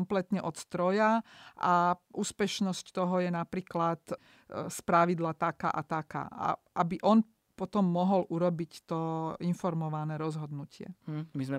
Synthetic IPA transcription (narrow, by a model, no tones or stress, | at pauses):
mplɛt̪ɲɛʔɔt̪st̪ɾɔjaʔaʔuːspɛʃnɔsct̪ɔɦɔjɛnapɾiːklat̪ | spɾaʋid̪lat̪aka̰ʔat̪aka̰ːa̰ʔabiʔɔn | pɔt̪ɔmːɔɦɔlʔuɾɔbict̪ɔinfɔɾmɔʋanɛːɾɔzɦɔd̪nucɪɛ̰mizmɛ